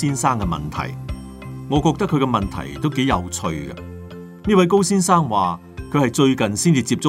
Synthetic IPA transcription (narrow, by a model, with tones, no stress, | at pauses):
iː˥nsaː˥ŋkɛ˧mɐ̰˨˩nt̪ʰɐ̰˨˩j | ŋɔː˨˧kɔː˧k̚t̪ɐ˥kʰːɵ˧kɛ˧mɐ˨nt̪ʰɐ̰˨˩jt̪o˥wke˨˥jɐ˨˧wt͡sʰɵ˧ɥɡɐ̰˧ | niː˥wɐ˨˥jko˥wsiː˥nsaː˥ŋwaː˨ | kʰɵ˨˧ɥhɐ˨jt͡ʃɵ˧ɥkɐ˨nsiː˥nt͡siː˧t͡siː˧p̚t͡sʊ˥